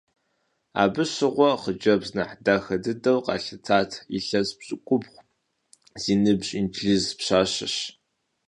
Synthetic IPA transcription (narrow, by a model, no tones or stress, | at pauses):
a̰ːbɨɕɪʁʷɔχəd͡ʒɐbznɐħdaxɐdɨdɐwqɑ̰ːɬɨt͡sʰaːtʰḭɬɐzpɕʼɪkʷʼʊbχʷ | z̥iːnɨbɕʼintʰɮizpɕaːɕɪ̰ɕ